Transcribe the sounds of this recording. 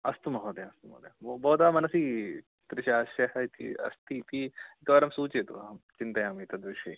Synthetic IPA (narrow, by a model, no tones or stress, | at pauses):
ɐst̪umɐɦod̪ẽɐst̪umɐ̰ːd̪ebobɔːt̪aːmɐnɐsi | t̪ɾɪʃaʃɐɦɐt̪ḭɐ̰st̪it̪iekɐʋaɾɐmsuːt͡ʃeːt̪o̰ɦɐmt͡ʃɪ̃nt̪ɐjamit̪ɐd̪ʋiʃɐ̰